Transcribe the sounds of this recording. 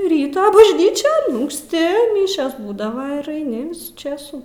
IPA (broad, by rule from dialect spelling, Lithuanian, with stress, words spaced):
ˈrʲiːtoː bɐʒʲˈnʲiːt͡ʃʲoːn ʊŋksʲˈtʲɪ ˈmʲɪʃʲoːs ˈbuːdɐʋɐ ɪr ɐɪˈnʲɪ ˈʋʲɪsuː ˈt͡ʃʲeːsuː